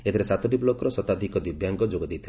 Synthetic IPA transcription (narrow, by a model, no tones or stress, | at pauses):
et̪ʰiɾesat̪ɔʈiblɔkɔɾɔsɔt̪ad̪ʱikɔd̪ibjaŋɡɔd͡ʒoɡɔd̪ejt̪ʰi